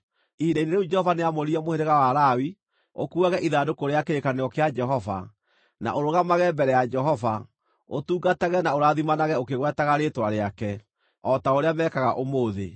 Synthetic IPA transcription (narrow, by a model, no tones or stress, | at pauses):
iɾeineɾeud͡ʒɛhɔvaneamoɾiɛmoheɾeɣawaɾawi | okuaɣɛʔiðadokoɾeakeɾekaneɣɔkead͡ʒɛɦɔva̰ | na̰ʔoɾoɣamaɣɛmbɛɾɛjad͡ʒɛɦɔva | otuːɡataɣɛnaoɾaːðimanaɣɛokeɣwɛtaɣaɾetwaɾeakɛ | ɔtaoɾeamɛːkaɣaʔomoːðḛ